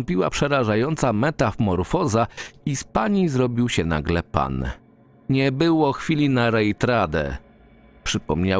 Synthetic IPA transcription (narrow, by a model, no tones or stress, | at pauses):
mpʲiwa̰pʂɛɾaʐajɔnt̪samɛt̪afmɔɾfɔzaispaɲizɾɔbʲiwɕɛna̰ɡlɛpa̰n | ɲɛbɘwɔxfʲilʲinaɾɛjt̪ɾad̪ɛ̰ | pʂɘpɔmɲa